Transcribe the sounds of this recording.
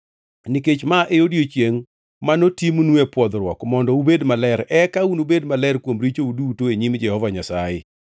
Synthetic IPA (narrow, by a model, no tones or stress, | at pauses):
niket͡ʃmaʔeodjot͡ʃjeŋ | manotimnuɛpwɔd̪ɾwɔkmɔndɔubedmalɛɾɛkaunubedmalɛrkwomɾit͡ʃouduːtoeɲimd͡ʒɛhɔvaɲasajɪ̰